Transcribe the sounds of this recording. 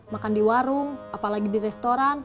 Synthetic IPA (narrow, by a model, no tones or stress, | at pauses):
makandiwaɾuŋapalaɡidiɾɛst̪oɾan